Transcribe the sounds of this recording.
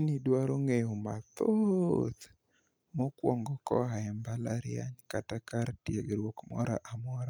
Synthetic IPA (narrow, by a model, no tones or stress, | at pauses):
inidwaɾoŋejomat̪ot̪ | mɔkwɔŋɡɔkɔ̰ɦaɛmbalaɾɪja̰ɲkatakaɾtjeɡɾwɔkmɔ̰ɾaʔamɔɾa